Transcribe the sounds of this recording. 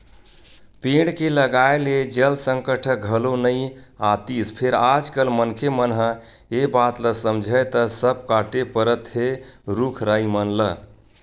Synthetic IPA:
piɽkeləɡaeled͡ʒəlsəŋkəʈʰəɡʱəlonəjat̪ispʰeɾad͡ʒkəlmənkʰemənɦə | ebat̪ləsəmd͡ʒʱəjt̪əsəbkaʈepəɾət̪ɦeɾukʰɾaimənlə

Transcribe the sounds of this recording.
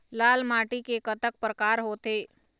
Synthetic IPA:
laːlmaːʈikekət̪ək̚pɾəkaːɾɦoːt̪eː

